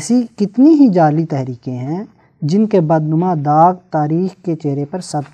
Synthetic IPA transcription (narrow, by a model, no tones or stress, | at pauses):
sikɪt̪niɦid͡ʒaːlit̪ɛɦɾiːkẽɦɛ̃ | d͡ʒɪnkebɐd̪nʊmãd̪aːɡ̚t̪aːɾiːxket͡ʃeːɾepɐɾsɐb